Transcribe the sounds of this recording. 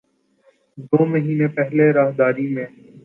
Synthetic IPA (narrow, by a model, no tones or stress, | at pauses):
d̪oːməɦiːneːpɛɦleːɾaːɦd̪aːɾiːmẽː